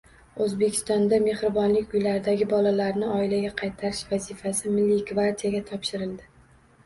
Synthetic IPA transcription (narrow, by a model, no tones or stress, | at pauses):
ɵzbekʲʰɪ̥st̪ɒnd̪ame̞hɾɪbɒnlɪkʲʊjlaɾɪd̪aɡʲɪbɒlalaɾnɪɒɪlaɡʲaqʰɑjt̪ʰaɾɪʃvazɪfasɪmɪlːiɡvaɾt̪ʰijaɡʲat̪ʰɒpʃɪɾɪld̪ɪ